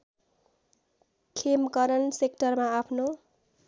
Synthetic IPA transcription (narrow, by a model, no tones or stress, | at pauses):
kʰemkʌɾʌnsekʈʌrmaapʰno